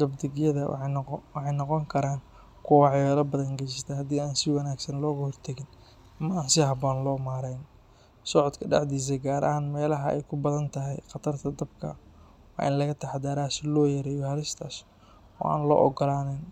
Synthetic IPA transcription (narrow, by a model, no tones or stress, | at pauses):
d̪ɐbd̪ɪɣjɐðɐwɑħɑjnɔqɔŋkʰɐɾaːn | kʰʊwɑʕjɛlɐbɐðɐŋɡɐjɪst̪ʰɐhɐd̪iːaːnsɪwɐnaːɡsɐnlɔːɣɐhɔrt̪ʰɐɣɪn | ɐmɐaːnsɪɦɐbɔːnlɔːmaːɾɛjn | sɔʕɔd̪kʰɐɖɑʕd̪iːs̬ɐɡaːɾɐ̰ɦaːnmɛːlɐɦɐʔɛ̰jkʰʊbɐðɐnt̪ʰɐɦɛjqɑt̪ʰɐrt̪ʰɐd̪ɐbkʰɐ̰ | wɑ̰ːʔɪ̰nlɐɣɐt̪ʰɐħd̪aːɾaːsɪlɔːjɐɾɛːjɔhɐlɪst̪ʰaːs | ɔ̰ːʔa̰ːnlɔ̰ːʔɔɡɔlaːnɛn